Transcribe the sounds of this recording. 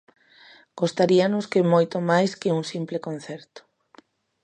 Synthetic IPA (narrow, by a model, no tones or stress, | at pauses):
ɡ̥ost̪aɾianʊskemojt̪omajskɪuŋsimplɪkon̟θɛɾt̪ʊ̥